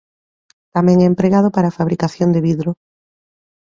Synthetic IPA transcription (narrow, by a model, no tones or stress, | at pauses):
t̪amɛ̃ŋɛempɾeɣað̞ʊpaɾaːfaβɾikaθjond̪eβiðɾo